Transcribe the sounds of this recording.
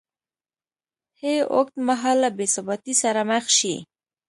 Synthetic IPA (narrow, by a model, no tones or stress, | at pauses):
heo̰k̚t̪maɦalːabesabat̪isaɾamaxʃḭ